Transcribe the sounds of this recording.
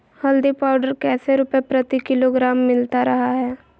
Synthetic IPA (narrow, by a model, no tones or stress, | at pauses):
həld̪ipaːʊɖəɾkɛːseɾʊpɛpɾət̪ikɪloɡɾaːmːɪlt̪aɾəɦaɦɛː